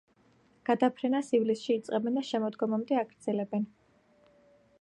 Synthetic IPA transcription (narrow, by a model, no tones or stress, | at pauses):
ɡ̥ad̪apʰɾɛnasivlisʃiːt̪sʼqʼɛbɛnd̪aʃɛmɔd̪ɡɔmamd̪ɛaɡɾd̪zɛlɛbɛn